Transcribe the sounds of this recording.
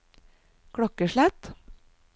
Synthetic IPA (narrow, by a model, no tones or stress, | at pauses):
kʰɽɔkəʃɭæt̪